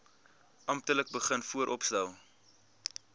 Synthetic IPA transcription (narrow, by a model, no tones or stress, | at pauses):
ʔɐmp̚tələk̚bəχənfuəɾʔɔpstɛlˠ